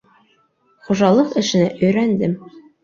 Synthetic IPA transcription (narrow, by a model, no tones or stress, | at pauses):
χuʒɑlˠɤqɘ̆ʃɘ̆næʔɵ̆jɾænd̪ɘm